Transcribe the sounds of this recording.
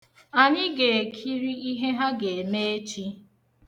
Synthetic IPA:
a˨ɲɪ˦ɡe˨kʰi˦ɾi˦i˦ɦe˦ɦa˦ɡe˨me˦e˦t͡ʃi˦

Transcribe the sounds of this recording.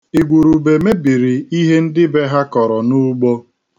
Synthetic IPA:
i˨ɡʷu˨ɾu˨be˨me˦bi˨ɾi˨i˦ɦe˦n̩˦dɪ˦be˦ɦa˦kɔ˨ɾɔ˨nu˦ɡ͡bo˦

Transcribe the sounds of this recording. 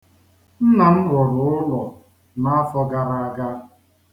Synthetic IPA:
n̩˦na˨n̩˦ɦʊ˨ɾʊ˨ʊ˦lɔ˨ | na˦a˦fɔ˦ɡa˦ɾa˨a˦˨ɡa˦

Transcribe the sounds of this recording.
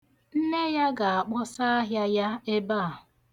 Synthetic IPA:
n̩˦ne˦ja˦ɡa˨a˨k͡pɔ˦sa˦a˦ɦja˦ja˦e˦ba˦˨

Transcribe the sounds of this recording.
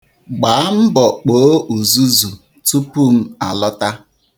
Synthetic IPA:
ɡ͡ba˨˦a˦m̩˦bɔ˨k͡poː˨˦u˨zu˦zu˨ | tu˦pu˦˨m̩˦a̰˨lɔ˦ta˦

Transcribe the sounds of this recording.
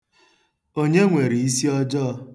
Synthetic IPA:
o˦ɲe˦ŋʷe˨ɾi˨i˦si˦ɔ˦d͡ʒɔ˦˧

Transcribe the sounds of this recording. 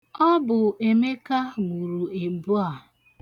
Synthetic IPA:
ɔ˦bʊ˨e˨me˦ka˦mu˨ɾu˨e˨bu˦a˨

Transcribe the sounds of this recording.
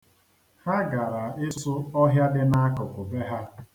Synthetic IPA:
ha˦ɡa˨ɾa˨ɪ˦ssʊ˦ɔ˦ɦja˦dɪ˦na˦a˦kɔ˨kʷʊ˨be˦ɦa˦

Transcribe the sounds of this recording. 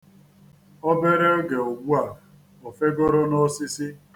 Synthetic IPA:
ɔ˦be˦ɾe˦o˦ɡe˨o˨ɡʷu˦a˨ | o˨fe˦ɡo˦ɾo˦nɔ˦sɪ˦sɪ˦

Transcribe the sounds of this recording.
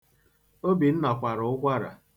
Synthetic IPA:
o˦bi˨n̩˦nɔ˨kʷa˨ɾʊ˨ʊ˦kʷa˦ɾa̰˨

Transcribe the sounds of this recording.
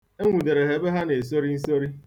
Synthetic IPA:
e˦ŋʷu˨de˨ɾe˨ɦe˨be˦ɦa˦ne˨s̬o˦ɾi˦n̩˦so˦ɾi˦

